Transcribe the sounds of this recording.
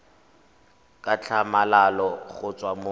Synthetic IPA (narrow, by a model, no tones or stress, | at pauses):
kʼat͡ɬʰamalalɔɣʊt͡sʼwamo